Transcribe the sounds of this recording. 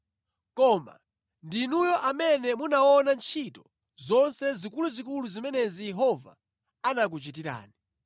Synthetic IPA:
kɔma̰ | ndinujɔʔamɛnɛmunaɔnant͡ʃʰitɔ | zɔnsɛzikuluzik̬uluzimɛnɛzijɛɦɔva̰ | anak̬ut͡ʃitiɾa̰ːni

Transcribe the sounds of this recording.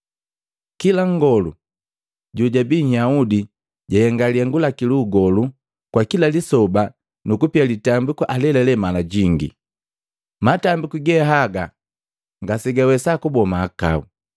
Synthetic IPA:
kilaŋɡɔlṵ | ɟuɟabiɲaudi | ɟahɛŋɡaliɛŋɡulakiluɡɔlu | kwakilalisɔba | nukupialitambikuʔalɛlɛlɛmalaɟiŋɡḭ | matambikuɡɛɦaɡa | ŋɡasiɡawɛsakubɔmaːka̰ṵ

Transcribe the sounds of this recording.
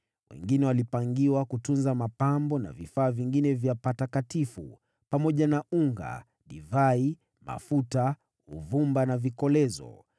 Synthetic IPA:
wɛ̰ŋɡinɛwalipaŋɡiwakutunzamapambɔna̰vifaːviŋɡinɛvjapatakatifṵ | pamɔʄanauŋɡa̰ | ɗivai | ma̰futa | uvumbanavikɔlɛzɔ̰

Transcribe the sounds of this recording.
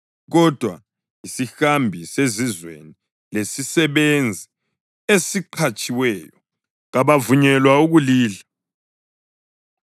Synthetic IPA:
ɣɔd̥ʱwa̰ | isixambʱisezizwḛni | lesisɛβend͡zʱi | esiǃʰat͡ʃʼiwɛːjɔ | ɣaβavuɲɛlwauɣuliːla

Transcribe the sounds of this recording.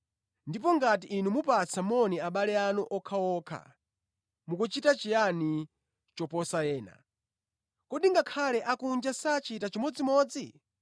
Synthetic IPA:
ndip̬ɔŋɡat̬iʔːnumupat͡sʰamɔniaɓalɛanuʔɔkʰawɔːkʰa̰ | mukut͡ʃitat͡ʃijani | t͡ʃɔpɔsajɛːna̰ | kɔɗiŋɡakʰalɛʔakund͡ʒasat͡ʃitat͡ʃimɔd͡zimɔːd͡zi

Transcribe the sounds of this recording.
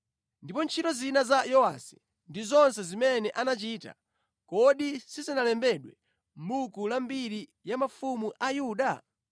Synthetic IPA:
ndipɔnt͡ʃʰitɔzinazajɔwasi̥ | ndizɔnsɛzimɛnɛʔanat͡ʃiːta̰ | kɔɗisizinalɛmbɛɗwɛ | m̩bukulambiɾijamafumuʔajuːɗa

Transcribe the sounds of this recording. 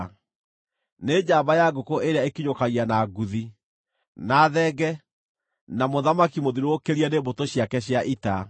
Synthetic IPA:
ned͡ʑaːbajaɡokoʔeɾeaekiɲokaɣianaɡuði | naːðɛɡɛ | namoðamakimoðiɾookeɾianebotoɕjakɛɕjaʔita

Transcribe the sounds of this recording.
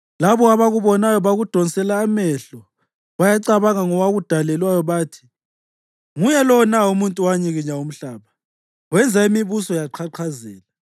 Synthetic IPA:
laβɔaβaɣuβɔnajɔβaɣud̥ʱɔnsʼɛlaːmɛɬɔ | βajaǀaβaŋaŋɔwaɣud̥ʱalɛlwajɔβaːtʰi̥ | ŋujɛlɔnaumuntʼuwaɲiɣiɲaum̩ɬaːβa | wɛnd͡zʱaimiβusɔjaǃʰaǃʰazɛːla

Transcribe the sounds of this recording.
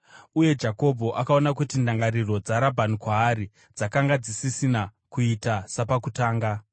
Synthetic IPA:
uje̞d͡ʒako̞bʱo̞ʔakao̞nakutindaŋɡaɾiro̞d͡zaɾabʱanikwaːɾi | d͡zakaŋɡad͡zisisinakuitasapakutaːŋɡa

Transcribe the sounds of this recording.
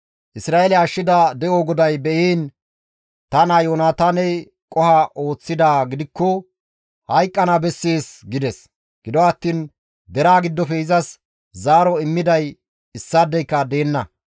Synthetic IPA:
ʔɪsɾaːelɛɐʃːɪd̪ad̪ɛoɡɔd̪ɐjbɛʔiːn | t̪ɐnɐjoːnaːt̪aːnɛ | kʼɔhaʔo̞ːt͡sːɪd̪aːɡɪd̪ɪkːɔ | hɐjkʼːɐnabɛsːeːsɡɪd̪ɛs | ɡ̥ɪd̪ɔɐt̪ːiːn | d̪ɛɾaːɡɪd̪ːɔfɛɪzɐs | zaːɾɔɪmːɪd̪ɐj | ɪsːaːd̪ːɛjkːɐd̪e̞ːnːɐ

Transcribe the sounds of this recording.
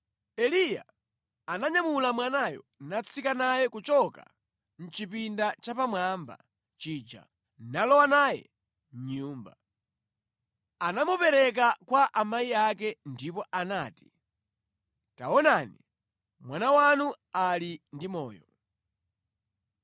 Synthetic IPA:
ɛlija̰ | anaɲamulamwanajɔ̰nat͡sʰikanajɛkut͡ʃɔka̰ | n̩t͡ʃipindat͡ʃapamwamba̰ | t͡ʃid͡ʒa̰ | nalɔwanaːjɛ̰ | m̩ɲuːmba | anamupɛɾɛk̬akwaʔamaiakɛndipɔʔanaːti̥ | ta̰wɔnaːni | mwanawanu | alindimɔ̰ːjɔ

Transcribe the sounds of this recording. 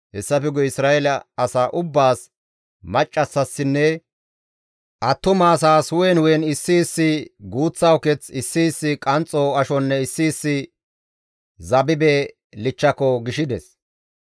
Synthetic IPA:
hɛsːɐfɛɡɔɪsɾaːʔɛlɐɐsaːʔʊbːaːs | mɐt͡ʃʼːɐsːɐsːɪnːɛ | ʔɐt̪ːʊmaːs̬aːsʊwɛnʊjɛnɪsːiːsːɪɡuːt͡sːɐwkɛt͡sɪsːiːsːɪkʼɐnt͡sʼːoːɐʃɔnːɛɪsːiːsːɪ | zɐbɪbɛ | lɪt͡ʃːɐkɔɡɪʃɪd̪ɛs

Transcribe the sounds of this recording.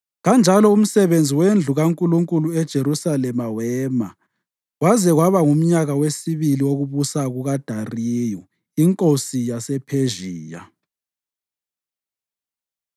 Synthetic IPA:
ɣand͡ʒʱalɔum̩sɛβend͡zʱiwend͡ɮʱuɣaŋkʼuluŋkʼuluɛd̥ʒ̥ʱeɾusalɛmawɛːma | ɣwazɛɣwaβaŋum̩ɲaɣawesiβiliwoɣuβusaɣuɣad̥ʱariːju | iŋkʼosijasɛpʰeʒiːja̰

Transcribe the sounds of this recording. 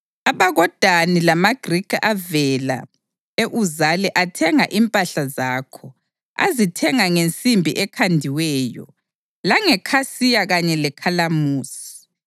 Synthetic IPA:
aβaɣɔd̥ʱanilamaɡ̥rikʰʔavɛla̰ | eʔuzalɛʔatʰɛŋaʔimpʼaɬazaːkʰɔ | a̰zitʰɛŋaŋent͡sʼimbʱḭʔɛkʰandʱiwɛːjɔ̰ | laŋɛkʰasijaɣaɲɛlɛkʰalamuːsi̥

